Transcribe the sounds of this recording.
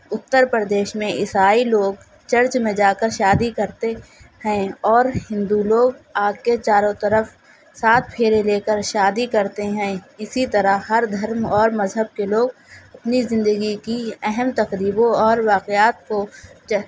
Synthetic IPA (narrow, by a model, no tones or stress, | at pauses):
ʊt̪ːəɾpɾəd̪eːʃmẽʔɪsaːiloːɡ | t͡ʃɐɾt͡ʃmẽd͡ʒaːkəɾʃaːd̪ikɐɾt̪ehɛ̃ɔːɾhɪ̃nd̪uloːɡaːket͡ʃaːɾõt̪əɾəf | saːt̪̚ʰpʰeːɾeleːkəɾʃaːd̪ikɐɾt̪eɦɛ̃ːɪsit̪ɐɾahɐɾd̪ʱəɾmɔːɾmɐzɦəb̚keloːɡ | ɐpnizɪ̃nd̪əɡikiɛɦɛmt̪ɐqɾiːbõɔːɾʋaːqejaːt̪̚ko